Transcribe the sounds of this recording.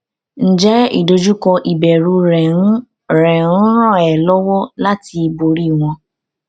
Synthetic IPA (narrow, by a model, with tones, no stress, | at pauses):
n̩˨d͡ʒɛ˨˦ḭ˦˨do˧d͡ʒu˦kɔ˧ʔi˨bɛ˨ɾu˧ɾɛ˨ũ˦ | ɾɛ̃˨ɾ̩ũ˦ɾ̃ɔ̃˦˨ɛ˨lɔ˦wɔ˦la˦ti˧bo˧ɾi˦˨w̃ɔ̃˧